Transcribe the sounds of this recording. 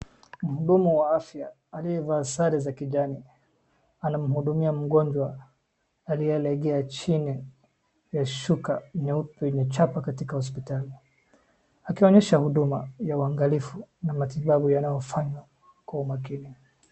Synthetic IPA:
m̩huɗumuwaafja | aliɛvaːsaɾɛzakiʄani | anam̩huɗumiam̩ɡɔɲd͡ʒwaː | lijɛlɛɠɛat͡ʃini | jaʃukaɲɛupɲɛt͡ʃapakatikahɔs̬pitali | akiɔɲɛʃahuɗuma̰jauaŋɡalifunamatiɓaɓujanajɔfaɲwa | kwaumakini

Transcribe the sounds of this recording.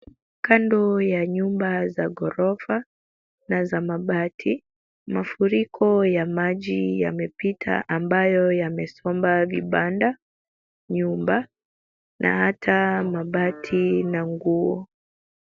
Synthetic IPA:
kandɔjaɲumbazaɡɔɾɔfa | nazamaɓatʰi | mafuɾikʰɔjamaʄija̰mɛpitʰa̰ʔambajɔjamɛsɔmbaviɓanda | ɲumba | nʔa̰hatʰamaɓatʰinaŋɡuɔ

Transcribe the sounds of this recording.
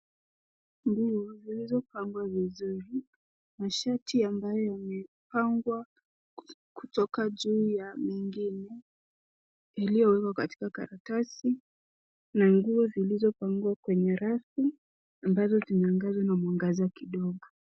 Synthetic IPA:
ŋɡuɔzilizɔpaŋɡwavizuɾi | maʃatʰiambajɔjamɛ | paŋɡwa | kutɔkaʄuːjamiŋɡinɛ | jalijɔwɛkwakati̥kaka̰ɾatasi | naŋɡuɔzilizɔpaŋɡuwakwɛɲɛɾaθi | ambazɔzinɛaŋɡazwanamwaŋɡaziwakiɗɔɠɔ

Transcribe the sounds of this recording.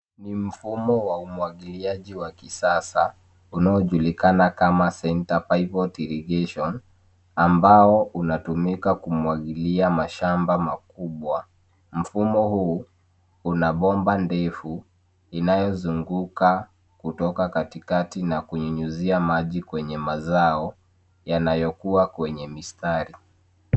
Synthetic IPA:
nim̩fumɔwaumwaɠiliaʄiwakisasa | unaɔʄulikanakamasɛntapaipɔtilɛɡɛʃɔn | ambaɔʔunatumikakumwaɠiliamaʃambamakuɓwa | m̩fumɔhuː | unaɓɔmbandɛfu | inajɔzuŋɡuka | kutɔkakatikatinakuɲuɲuziamaʄikwɛɲɛmazaɔ | janajɔkuakwɛɲɛmistaɾi

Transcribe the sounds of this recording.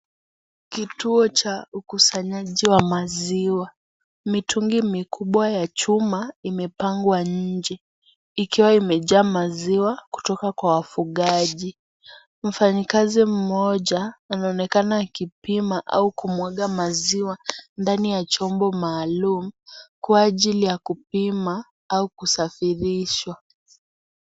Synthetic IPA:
kituɔt͡ʃaukusaɲaʄiwamaziwa | mitʰuŋɡimikuɓwajat͡ʃumaimɛpaŋɡwaɲ̩d͡ʒɛ | ikiwaimɛʄaːmaziwaku̥tɔkakwawafuɠaʄi | m̩faɲikazim̩mɔʄaːnaɔnɛkanakipimaʔa̰ukumwaɠamaziwandanijat͡ʃɔmbɔmaːlumukwaːʄilijakupima | aukusafiɾiʃwa

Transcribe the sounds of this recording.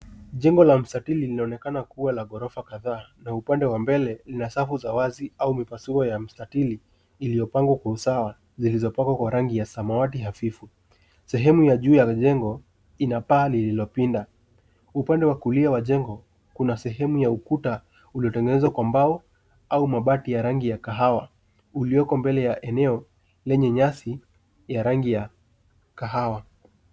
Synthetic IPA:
ʄɛŋɡɔlam̩statililinaɔnɛkanakuwalaɠɔɾɔfakaðaːnaupandɛwambɛlɛlinasafuzawaziaumipasuɾɔjam̩statiliː | lijɔpaŋɡwakwausawa | zilizɔpaŋɡwakwaɾaŋɡijasamawat̬iɦafifu | sɛɦɛmujaʄuːjaʄɛŋɡɔ | inapaːlililɔpinda | upandɛwakuliawaʄɛŋɡɔ | kunasɛɦɛmujaukuta | uliɔtɛŋɡɛnɛzwakwambaɔ | aumaɓatijaɾaŋɡijakaɦawa | ulijɔkɔmbɛlɛjaʔɛnɛɔ | lɛɲɛɲasi | jaɾaŋɡija | kaɦawa

